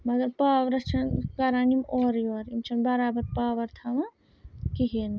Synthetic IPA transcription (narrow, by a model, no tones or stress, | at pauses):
mɐɡɐɾpaːʋɾɐt͡ʃʰɐnkaɾanimoːɾjoːɾimt͡ʃʰɐnbɐɾaːbɐɾpaːʋɐɾt̪ʰaʋɐ | kiɦini